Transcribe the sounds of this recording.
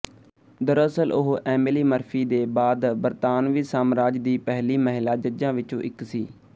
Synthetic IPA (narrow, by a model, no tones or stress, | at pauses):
d̪əɾəsəlʔʊɦʔɛːmːliːməɾfʰiːd̪eːbaːd̪bəɾt̪aːnʋiːsaːmɾaːd͡ʒd̪iːpɛɦliːməɦɪlaːd͡ʒəd͡ʒãːʋɪt͡ʃõ̰ːʔɪksiː